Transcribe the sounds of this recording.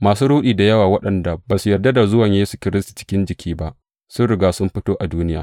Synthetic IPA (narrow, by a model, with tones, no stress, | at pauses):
maː˨suː˦ɽuː˦ɗiː˨da˨jɐ˦waː˨wɐ˦ɗɐ˨nda˨baː˨su˨jɐ˨rda˦da˨zʊ˦wɐ˨ɲjeː˦su̥˨kʲɪ˦ɾɪ˦stu̥˨t͡ʃɪ̥˦kʲɪ˦nd͡ʒɪ˨kʲʰiː˦ba˦ʔ | sʊ˦nɽɪ˨ɡaː˦˨sʊ˦mɸɪ˦toː˦ʔa˨duː˦nɪ˦ja̰ː˨